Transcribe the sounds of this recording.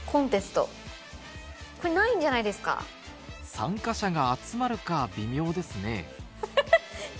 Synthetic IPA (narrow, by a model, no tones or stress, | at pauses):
kʰõ̞nt̪e̞sɨ̥t̪o̞̰ | ko̞ɾenaĩɲ̟d͡ʑanaid̪e̞sɨ̥ka̰ | sã̰ŋkaɕaɡaːt͡sɨmaɾɯ̟kabʲimʲo̞ːd̪e̞sɨne̞̰